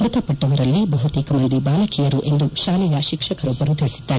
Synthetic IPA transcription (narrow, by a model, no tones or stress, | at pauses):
d̪ɐt̪ɐpɐʈːɐʋɐɾɐlːibɐɦut̪iːkɐmɐnd̪ibaːlɐkijɐɾuʔe̞nd̪uʃaːlɛjɐʃikʂɐkɐɾɔbːɐɾut̪iɽisi̥d̪ːaːɾɛ